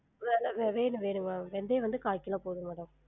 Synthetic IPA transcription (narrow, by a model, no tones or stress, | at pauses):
ʋaːlɐʋeʋeːnɯʋeːɳɯŋaʋɛnd̪eːʋɐnd̪ɯkaːkːɪlãːpoːðɯ̃mɛːɽɐm